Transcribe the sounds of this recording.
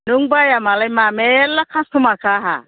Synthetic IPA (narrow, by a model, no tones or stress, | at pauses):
nuŋbajamalajmamɛjɛlakʰãstumakaɦa̰